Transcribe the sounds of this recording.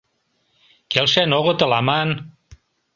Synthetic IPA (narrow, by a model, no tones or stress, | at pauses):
kelʃenoɣŏt̪ɤ̆lɑmɑn